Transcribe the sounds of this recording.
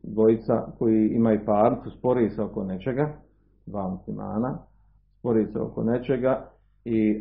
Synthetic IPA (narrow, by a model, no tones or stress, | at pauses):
d̪ʋo̞jit̪sa̰ko̞jiimaupaːɾnit̪suspo̞ɾiseo̞kone̞t͡ʃe̞ɡa | d̪ʋaːmuslima̰ːna | spo̞ɾiseo̰ko̞̰ne̞t͡ʃe̞ɡa | i